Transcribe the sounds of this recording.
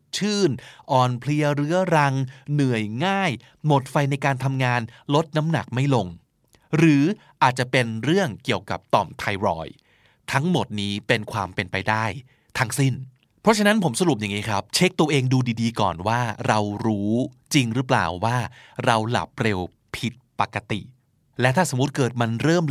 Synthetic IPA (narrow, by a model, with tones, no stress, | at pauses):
t͡ɕʰɯː˥˩nʔɔː˨˩npʰli˧ɐɾɯ˦˥ɐɾa˧ŋnɯ˨˩əjŋaː˥˩j | mo˨˩t̪̚fa˧jna˧jk̬aː˧nt̪ʰa˧mŋaː˧nlo˦˥t̪̚na˦˥mna̰˨˩k̚ma˥˩jlo˧ŋ | ɾɯː˩˦ | ʔaː˨˩t̪̚t͡ɕa˨˩pe˧nɾɯ˥˩əŋki˨˩əwka˨˩p̚t̪ɔ̰ː˨˩mt̪ʰa˧jɾɔ̰ː˧j | t̪ʰa˦˥ŋmo˨˩t̪̚niː˦˥pe˧nkʰwaː˧mpe˧npa˧jdaː˥˩j | t̪ʰa˦˥ŋsi˥˩n | pʰɾɔ˦˥t͡ɕʰa˧na˦˥npʰo˩˦msa˧ɾu˨˩p̚ja˨˩ŋiː˦˥kʰɾa˦˥p̚t͡ɕʰe˦˥k̚t̪u˧ɐʔeː˧ŋduː˧diː˧diː˧kɔ̰ː˨˩nwaː˥˩ɾa˧wɾuː˦˥ | t͡ɕi˧ŋɾɯ˦˥pla̰ː˨˩wːaː˥˩ | ɾa˧wla̰˨˩p̚ɾe˧w | pʰi˦˥t̪̚pa˨˩kːa˧t̪ḭ˨˩ | lɛ˦˥t̪ʰaː˥˩so˩˦m˦u˦˥t̪̚kɤː˨˩t̪̚ma˧nɾɤː˥˩m